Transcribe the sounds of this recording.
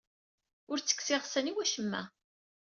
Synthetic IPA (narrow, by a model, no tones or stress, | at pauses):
ʊɾt͡sːə̥kːsɪʁsæniwæʃəmːæ̰